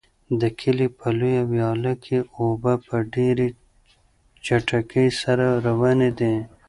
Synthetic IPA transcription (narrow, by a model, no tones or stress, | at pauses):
d̪əkʰilipʰɐlujawjɑːlakʰeobapəɖeɾi | t͡ʃɐʈakəjsɐɾaɾɐwɑned̪e